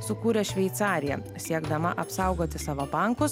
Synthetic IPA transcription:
sʊkuːɾʲeʃʲʋʲɛɪt̪sɑːɾʲɪjɛ̰ | sʲiɛɡd̪ɐmɐʔɐpsɑˑʊɡoːt̪ʲɪsɑːʋɐbɐˑŋkʊs

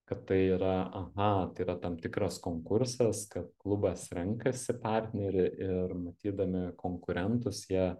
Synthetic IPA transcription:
kɐt̪tːɐɪiːɾɐʔɐɣɐt̪ɐɪiɾɐt̪ɐmt̪ʲɪkɾɐskoːŋkʊɾsɐskɐt̪̚klˠʊbɐsɾʲɛŋkɐsʲɪpɑˑrʲt̪ʲnʲɛɾʲɪʔɪrmɐt̪ʲiːd̪ɐmʲɪkʰoːŋkʊɾʲɛnt̪ʊsjiɛ

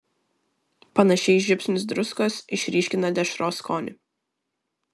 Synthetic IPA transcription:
pɐnɐʃʲɛɪʒʲɪpʲsʲnʲɪs̬d̪ɾʊskɐsɪʃʲɾʲiːʃʲkʲɪnɐd̪ʲɛʃɾoːskɔːnʲɪ

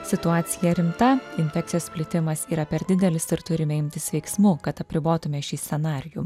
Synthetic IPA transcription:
sʲɪt̪ʊɑːt̪sʲɪjɛɾʲɪmt̪ɐɪnʲfʲɛk̪̚ʲɪjoːsʲpʲlʲɪt̪ʲɪmɐsiːɾɐpʲɛɾd̪ʲɪd̪ʲɛlʲɪsɪɾt̪ʊɾʲɪmʲɛɪmʲt̪ʲɪsʋʲɛɪksmuːkɐt̪ɐpʲɾʲɪboːt̪ʊmʲɛʃʲiːst̪ʲɛnɑːɾʲɪjuː

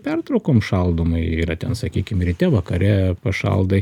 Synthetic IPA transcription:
pʲɛrt̪ɾɐʊkoːmʃɐlˠd̪oːmɐɪiːɾɐt̪ʲɛnsɐkʲiːkʲɪmɾʲɪt̪ʲɛʋɐkɐɾʲɛpɐʃɐ̰lˠd̪ɐɪ

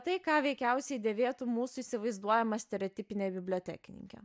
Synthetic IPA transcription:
t̪ɐɪkɑːʋʲɛɪkʲɛʊsʲɛɪd̪ʲeːʋʲeːt̪umuːsʊiːsʲɪʋɐɪzd̪uɔjɛmɐsʲt̪ʲɛɾʲoːt̪ʲiːpʲɪnʲɛbʲɪbʲlʲoːt̪ʲæ̰ːkʲɪnʲɪ̰ŋʲkʲɛ̰ː

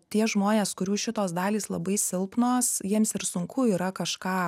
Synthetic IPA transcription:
t̪ʲiɛʒmoːnʲeːskʊɾʲuːʃʲɪt̪oːsd̪ɑːlʲiːslˠɐbɐɪsʲɪlˠpnoːsjiɛmsɪɾsʊŋkʊiːɾɐkɐʃkɑː

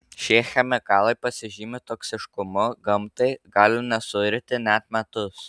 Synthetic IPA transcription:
ʃʲeːxʲɛmʲɪkɑːlˠɐɪpɐsʲɪʒʲiːmʲɪt̪oːksʲɪʃkʊmʊɡɐmt̪ɐɪɡɑːlʲɪnʲɛsʊɪɾʲt̪ʲɪnʲæt̪mʲɛt̪ʊs

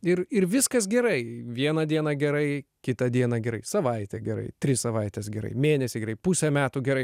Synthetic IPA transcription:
ɪɾɪrʋʲɪskɐs̬ɡʲɛɾɐɪʋʲiɛnɐd̪ʲiɛnɐɡʲɛɾɐɪkʲɪt̪ɐd̪ʲiɛnɐɡʲɛɾɐɪsɐʋɐɪt̪ʲɛɡʲɛɾɐ̰ɪt̪ʲɾʲɪsɐʋɐɪt̪ʲɛsɡʲɛɾɐ̰ɪmʲeːnʲɛsʲɪɡʲɛrɐɪpusʲɛmʲæːt̪uːɡʲɛɾɐɪ

